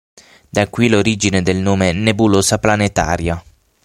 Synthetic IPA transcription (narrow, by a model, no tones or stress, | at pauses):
d̪akːwiloɾiːd͡ʒined̪elnoːmenebuloːsaplanet̪a̰ːɾja